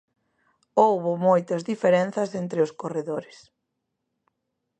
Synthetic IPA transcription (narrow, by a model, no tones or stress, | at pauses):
owβʊmojt̪ɐzðifeɾenθɐsent̪ɾɪʊskoreðoɾɪs